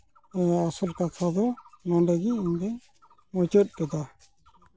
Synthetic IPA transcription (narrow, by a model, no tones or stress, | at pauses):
ɛasɔlkat̪ʰad̪ɔnɔ̃ɖɛɡiiɲd̪ɛ | mɔt͡ʃɔt̪̚ˀkɛd̪a